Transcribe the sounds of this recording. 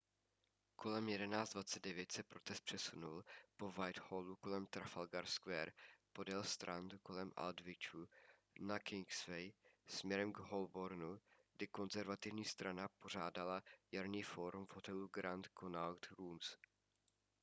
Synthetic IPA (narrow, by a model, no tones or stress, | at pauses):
kʰo̞lɛmjɛdɛnaːt͡sd̪vat͡sɛd̪dɛvjɛt̪sɛpɾo̞t̪ɛst̪̚pr̝̥ɛsunulpo̞vajt̪holuko̞lɛmt̪ɾafalɡaɾskvɛːɾpo̞dɛlst̪ɾant̪ko̞lɛmʔa̰ld̪vɪt͡ʃu | nakɪŋksvɛjsmɲɛɾɛmɡɦolboɾnuɡdɪko̞nzɛɾvat̪ɪvɲiːst̪ɾanapo̞r̝aːdalajaɾniːfo̞ɾumvɦo̞t̪ɛluɡɾant̪kʰonalt̪ɾuːms